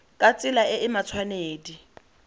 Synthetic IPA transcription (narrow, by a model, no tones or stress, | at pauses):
kʼat͡sʼɪlaʔɪɪmat͡sʰwaneːdi